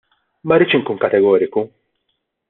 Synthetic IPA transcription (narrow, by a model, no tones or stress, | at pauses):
mɐɾɪːt͡ʃɪŋkuːnkɐt̪ɛɡɔːɾɪku